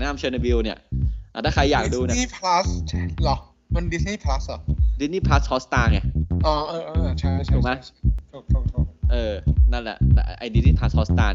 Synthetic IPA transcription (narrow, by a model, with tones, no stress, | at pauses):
naː˧˩mt͡ɕʰɤː˧na˧bi˧wni˥˩ɐʔa˨˩aː˥˩kʰa˧jːaː˨˩k̚duː˧na˦˥i˥˩pʰla˦˥slɔ˧˩ | mə˧ndi˦˥sniː˥˩pʰa˦˥slɔ˨˩di˧˦s̚niː˥˩pʰa˦˥shʰɔː˦˥st̪aː˧ŋa˧˩ʔɔː˧˩ʔɤː˧ʔɤː˧t͡ɕʰa˥˩jt͡ɕʰu˧˩ma˦˥˩o˧˩o˧˩ʔɤː˧na˦˥˩nlɛ̰˨˩lʔʔa˧jdi˦˥niː˦˥˩pʰa˦˥s̚ʰɔː˦˥st̪aː˧n˧